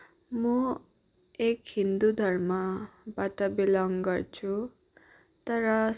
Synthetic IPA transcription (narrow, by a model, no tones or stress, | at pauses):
mʌ | ekɦind̪ud̪ʱʌrmʌbaʈʌbilʌŋɡʌrt͡sʰu | t̪ʌɾʌ